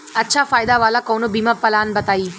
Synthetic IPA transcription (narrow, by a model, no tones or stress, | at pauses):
ɐtːʃʰafaːjd̪aʋaːlakɐːnobiːmapːɐlaːnbɐt̪aːiː